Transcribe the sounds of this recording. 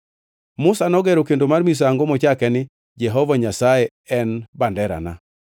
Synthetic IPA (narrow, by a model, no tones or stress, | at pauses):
mʊsanɔɡɛɾokendomarmis̬aaŋɡomɔt͡ʃakɛnɪ | d͡ʒɛɦɔvaɲasaje | ɛnbandɛɾa̰na̰